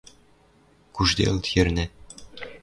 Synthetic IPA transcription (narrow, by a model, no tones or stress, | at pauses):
kuʐd̪ḛlˠt̪jɘ̆rʲnʲɘ̆